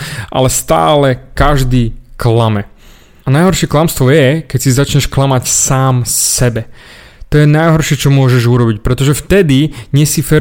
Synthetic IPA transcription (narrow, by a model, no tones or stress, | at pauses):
ʔa̰lɛst̪a̰ːlɛkaʒd̪iːklamɛ | anajɦɔɾʃɛklamst̪ʋɔjɛkɛcsizat͡ʃɲɛʃklamacsaːmsɛbɛ | t̪ɔjɛnajɦɔɾʃɪɛt͡ʃɔmʊɔʒɛʒuɾɔbic̚pɾɛt̪ɔʒɛft̪ɛd̪iɲɛsifɛ